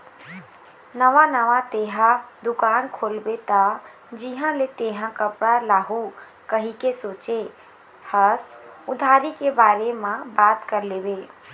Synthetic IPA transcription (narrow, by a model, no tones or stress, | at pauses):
nəʋãnəʋãt̪eːɦãd̪ʊkaːnkʰoːlbet̪a | d͡ʒiɦãlet̪eːɦãkəpɽalaːɦu | kəɦikesoːt͡ʃe | həsʊd̪ʱaːɾikebaːɾemãbaːt̪kəɾleːbe